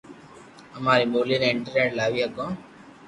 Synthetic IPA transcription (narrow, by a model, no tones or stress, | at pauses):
əmaːɾimoːliːneɪɳʈəɾneːʈlaːʋiːɦəkõː